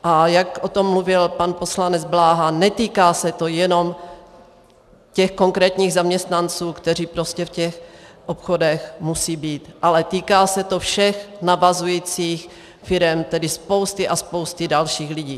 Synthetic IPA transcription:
ʔajakʔo̞t̪o̞mːluvɪlpanpo̞slanɛd͡zblaːɦanɛt̪iːkaːsɛt̪o̞jɛno̞m | cɛxko̞ŋkɾɛːt̪ɲiːɣzamɲɛst̪nant͡suːkt̪ɛr̝iːpɾo̞scɛfcɛxʔo̞pxo̞dɛxmusiːbiːt̪ʔalɛt̪iːkaːsɛt̪o̞fʃɛxnavazujiːt͡siːx | fɪɾɛmt̪ɛdɪspo̞wst̪ɪʔaspo̞wst̪ɪdalʃiːxlɪɟiː

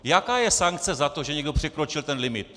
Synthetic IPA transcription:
jakajɛsaŋk̚t͡sɛzat̪oʒɛɲiɡəpʂɛkɾot͡ɕilt̪ɛnlimit̪̚

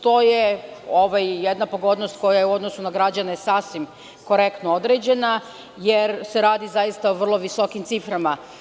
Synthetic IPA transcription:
t̪o̞jeoʋajjed̪napo̞ɡo̞d̪nost̪ko̞jajeuo̞d̪nosunaɡɾad͡ʑanesaːsʋim | ko̞ɾe̞kt̪nood̪ɾed͡ʑe̞na | jeɾse̞ɾaːd̪izajist̪aoʋr̩lˠo̞ʋiso̞kimt̪sifɾama

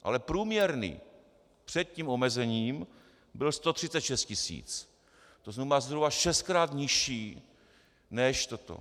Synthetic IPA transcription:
ʔa̰lɛpɾuːmɲɛɾnḭː | pr̝̥ɛt̪̚ciːmomɛzɛɲiːm | bɪlst̪ot̪r̥ɪtt͡sɛt̪ʃɛst̪cɪsḭːt͡s | t̪oznumazɦɾubaʃɛst̪̚kɾaːt̪ɲɪʃiː | nɛʃt̪ot̪o̰

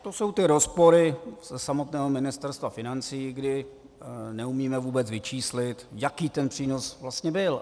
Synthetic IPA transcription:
t̪o̞so̞wt̪ɪɾo̞spo̞ɾɪsɛsamo̞t̪nɛːɦomɪnɪst̪ɛɾst̪vafɪnant͡sijːɡdɪ | nɛumiːmɛvuːbɛt͡svɪt͡ʃiːslɪt̪jakiːt̪ɛnpr̝̥iːno̞svlast̪ɲɛbɪl

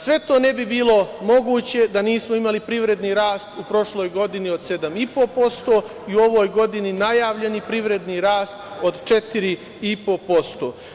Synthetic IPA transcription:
sʋe̞t̪o̞ːne̞bibiːlo̞mo̞ɡuːt͡ɕe̞d̪aniːsmoimalipɾiʋɾe̞d̪niɾaːst̪upɾo̞ʃlo̞ːjɡo̞d̪iniod̪se̞d̪amipo̞po̞st̪o̞ː | iuo̞ʋo̞ːjɡo̞d̪ininajaːʋʎe̞nipɾiʋɾe̞d̪niɾaːst̪o̞d̪t͡ʃe̞t̪iɾi | ipo̞po̞st̪o̞ː

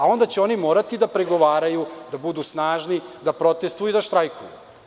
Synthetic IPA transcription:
ao̞nd̪at͡ɕeo̞nimo̞ːɾat̪id̪apɾeɡo̞ʋaːɾajud̪abud̪usnaːʒnid̪apɾo̞t̪est̪vujid̪aʃt̪ɾajkujṵ

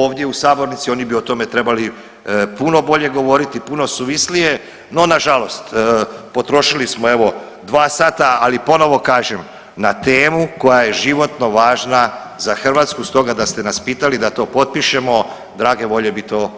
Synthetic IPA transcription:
oːʋd̪je̞usaːbo̞ɾnit̪sio̞ːnibiot̪o̞me̞t̪ɾe̞bali | puno̞bo̞ʎe̞ɡo̞ʋo̞ɾit̪ipuno̞suʋislije̞ | no̞naʒalo̞st̪po̞t̪ɾo̞ʃilismo̞e̞ʋo̞ | d̪ʋaːsaːt̪aalipo̞no̞ʋo̞kaːʒe̞m | nat̪e̞ːmuko̞jajeʒiʋo̞t̪no̞ʋaːʒna | zaxr̩ʋaːt̪skust̪o̞ɡad̪ast̪e̞naspiːt̪alid̪at̪o̞ːpo̞t̪̚piʃe̞mo̞ | d̪ɾaːɡe̞ʋo̞ʎe̞bit̪o̞ː

